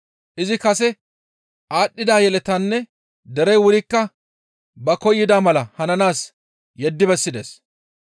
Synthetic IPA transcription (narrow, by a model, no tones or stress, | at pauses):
ʔɪzɪkɐsɛ | ʔaːɗːɪd̪aːjɛlɛt̪ɐnːɛ | d̪ɛɾɛjwʊɾɪkːɐ | bɐkɔjːɪd̪aːmɐlɐhɐnɐnaːs | jɛd̪ːɪbɛsːɪd̪eːs